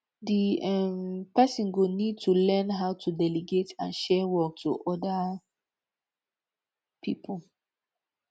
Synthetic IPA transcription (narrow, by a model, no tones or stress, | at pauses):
diɛmpɛsɔ̃nɡonid̚tʰulɛ̃nɦaʊtʰudɛliɡetã̰nʃɛwɔk̚tʰṵʔɔda | pʰipʰul